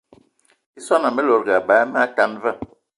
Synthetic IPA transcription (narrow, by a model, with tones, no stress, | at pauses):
i˦sɔ˦na˨mɛ˦lo˨ɾɡa˨ba˨˦mɛ˦a˦ta˦nva˦˨